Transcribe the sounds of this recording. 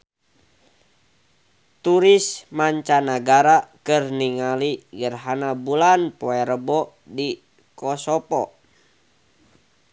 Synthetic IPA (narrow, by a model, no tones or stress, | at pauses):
t̪uɾismaɲt͡ʃanaɡaɾakɨrniŋaliɡərɦanabulanpɔɛɾəbɔ | di | kɔsɔpɔ̰